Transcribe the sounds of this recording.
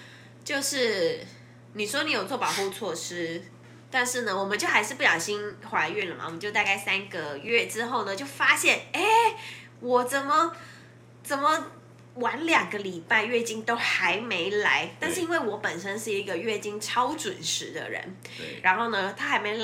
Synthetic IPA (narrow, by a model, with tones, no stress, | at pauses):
t͡ɕjo˥˧ʊʂɻ̩˥˩ | ni˨˩ʂwɔ˥ni˧˥jo˨˩ʊt͡swɔ˥˩pɑ˨˩ʊxu˥˧t͡sʰwɔ˥˩ʂɻ̩˥ | t̪a˥˧nʂɻ̩˥˩nə˩wɔ˨˩mə˦nt͡ɕjo˥˩ʊxa˧˥ʂɻ̩˥˧pu˥˩jɑ˨˩ʊɕi˥nxwa˧˥ɪy˥˩nlə˩ma̰˨˩wɔ˨˩m˦t͡ɕjo˥˧ʊt̪a˥˧ka˥˩ɪsa˥nɡə˨ɥɛ˥˩ʈ͡ʂɻ̩˥xo˥˩ʊnə˩t͡ɕjo˥˩ʊfa˥ɕjɛ˥˩ne˥˩ | wɔ˨˩t͡sə˨˩nmə˦ | t͡sə˨˩nmə˦ | wa˧˥nljɑ˨˩ŋɡə˦li˨˩pa˥˧ɪɥɛ˥˧t͡ɕi˥˩ŋt̪o˥ʊxa˧˥ɪme˧˥ɪla̰˧˥˦ɪt̪a˥˧nʂɻ̩˥˩i˥nwe˥˩ɪwɔ˧˥pə˨˩nʂə˥nʂɻ̩˥˩i˧˥ɡə˧ɥɛ˥˩t͡ɕi˥˩ŋʈ͡ʂʰɑ˥ʊʈ͡ʂwʊ˨˩nʂɻ̩˧˥˦d̪ə̰˧ɻə̰˧˥n | ɻa˧˥nxo˥˩ʊnə˩t̪ʰa˥xa˧˥ɪme˧˥ɪ